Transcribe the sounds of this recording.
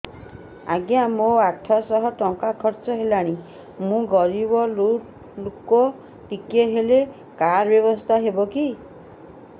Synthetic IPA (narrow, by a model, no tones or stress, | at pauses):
aɡjamoaʈʰɔsɔɦɔʈɔŋkakʰɔɾt͡ʃɔɦelaɽ̃i | mũɡɔɾibɔlu | lukɔ | ʈikeɦele | kaɾbjɔbɔst̪ʰaɦebɔki